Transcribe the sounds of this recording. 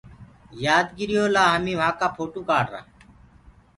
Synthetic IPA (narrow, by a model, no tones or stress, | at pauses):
jaːd̪ɡɪɾɪjoːlaːɦəmĩːʋãːkaːpʰoːʈuːkaːɽɾa̰ː